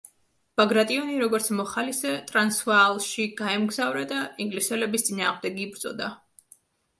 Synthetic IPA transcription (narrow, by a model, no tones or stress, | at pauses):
b̥aɡɾat̪ʼiɔniɾɔɡɔɾt̪sʰmɔχalisɛt̪ʼɾansvalˠʃiɡ̥aɛmɡzavɾad̪aiŋɡlisɛlɛbist̪sʼinaːʁmd̪ɛɡiːbɾt̪sʼɔ̰d̪a